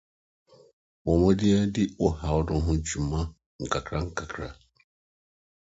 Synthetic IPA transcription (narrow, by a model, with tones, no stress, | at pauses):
bɔ˨mɔ˦di˦ɛ˦di˦ɔ˨ha˨wɔ˦dɔ˨˦ɦũ˦t͡ʃu˨ma˦ | ŋ̩˨ka˨kɾa˦ŋ̩˨ka˨kʰɾa̰˨